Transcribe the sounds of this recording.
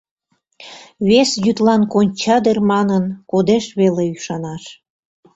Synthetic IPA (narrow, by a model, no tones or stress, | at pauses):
βesjyt̪lɑnkonʲt͡ɕɑd̪ermɑnənkod̪eʃβeleyʃɑnɑʃ